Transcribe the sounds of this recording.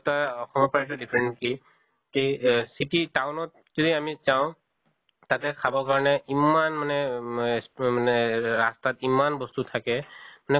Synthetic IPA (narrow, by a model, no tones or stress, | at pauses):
taɔxɔmɔpɹat̬udipʰɹɛɳʈki | kisititawnɔt̚ | z̥ɔdiamizaʊ̃ | tatɛkʰabɔkaɹɔnɛʔimanmanɛsmanɛɹastatimanbɔstutʰakɛmanɛ